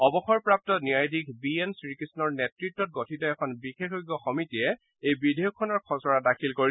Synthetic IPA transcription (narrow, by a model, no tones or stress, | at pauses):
ɔbɔxɔɹpɹap̚tɔniajdik̚ʰbiensɹikisnɔɹnetɹitːɔt̚ɡotʰitɔɛkʰɔnbixexojɡɔxɔmitiɛ | ejbidʱejɔkʰːɔnɔɹkʰɔsɔɹadakʰilkoɹi